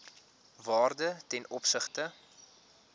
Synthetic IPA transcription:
vɑːrdətɛnʔɔpsəχtə

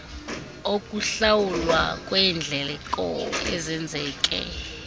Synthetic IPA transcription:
okʼuɬawulwa̰kʼwɛnd͡ɮʱɛlɛkʼɔ̰ɛzɛnd͡zʱɛːkʼɛ̰

